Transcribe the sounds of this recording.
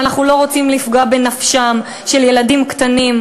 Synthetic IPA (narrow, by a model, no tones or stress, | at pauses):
anaχnulo̞ʁot͡simlifɡaabe̞nafʃam | ʃe̞lje̞ladimkt̪anim